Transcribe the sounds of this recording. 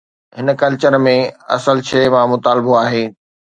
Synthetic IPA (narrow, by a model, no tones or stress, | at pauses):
ɦɪnkɐlt͡ɕəɾmẽɐ̰səlt͡ɕʰeːmãmʊt̪aːlɪboaːɦeː